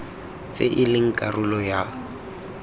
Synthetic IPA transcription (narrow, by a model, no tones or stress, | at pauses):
t͡sʼḛʔɪlɪŋ̩kʼarʊlɔja